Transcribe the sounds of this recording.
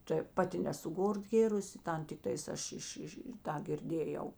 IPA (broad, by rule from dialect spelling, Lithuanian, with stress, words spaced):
tɐɪ ˈpɑːˌtʲɪ nʲɛsʊ ˈɡoːr ˈɡʲeːrʊsʲɪ ˈtɐn tʲɪkˈtɐɪs ˈɐʃ ˈɪʃ ˈɪʃ ɪ ˈtɑː ɡʲɪrʲˈdʲeːjɛʊ